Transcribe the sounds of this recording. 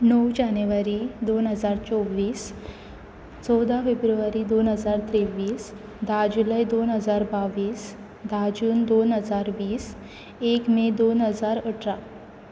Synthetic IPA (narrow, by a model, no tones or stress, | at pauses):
nəwd͡ʑanjuʋaɾid̪onɦəd͡zaɾt͡sɔʋiːs | t͡sɔwd̪ʱafebɾuʋaɾid̪onɦəd͡zaɾt̪ɾeʋiːs | d̪ʱad͡ʑuləjd̪onɦəd͡zaɾbaʋiːs | d̪ʱad͡ʑuːnd̪onɦəd͡zaɾʋiːs | ekmed̪onɦəd͡zaɾəʈʰɾa